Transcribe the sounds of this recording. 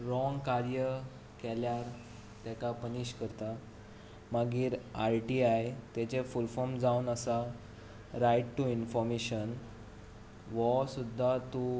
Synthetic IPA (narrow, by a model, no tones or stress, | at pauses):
ɾɔŋɡkaɾjə | kɛljaɾ | t̪jɛkapəniɕkəɾt̪a | maɡiːɾaɾʈiajt̪jɛt͡ɕefulfɔmd͡zaunəsa | ɾajʈʈuinfɔɾmeɕən | ʋɔsud̪ʱːat̪u